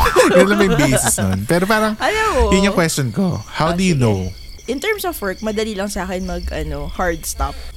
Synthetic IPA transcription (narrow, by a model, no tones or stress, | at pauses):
ɪlɐmɐŋbejsɪsnonpɛːɾopaːɾɐŋʔɐjɐjɐʔɪɲːokwɛstt͡ʃonko̰hawd̪ujʊnow | ʔɪnt̪ɛɹmsofwɛɹk̚mɐd̪ɐliːlɐŋsaːkɛnmɐɡʔɐnohaɹd̪̚st̪a̰p̚